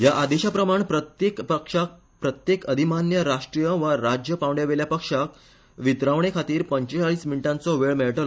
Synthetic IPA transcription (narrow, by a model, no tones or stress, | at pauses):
jaʔad̪eɕapɾəmaɳpɾət̪ekpəkʂak | pɾət̪jekəd̪ʱimanjəɾaʂʈɾijəʋəɾad͡ʑjəpãʋɳɖjaʋeljapəkʂak | ʋit̪ɾaʋɳ̃ekʰat̪iːɾpəɲt͡ɕet͡saɭiːsminiʈãnt͡sɔʋeɭmeɭʈəl